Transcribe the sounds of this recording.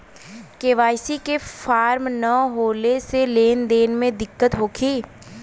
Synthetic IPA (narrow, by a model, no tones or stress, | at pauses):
keːʋaːjsikefaːɾmnəɦoːleseleːnd̪eːnmẽd̪ɪkːət̪ɦoːkʰiː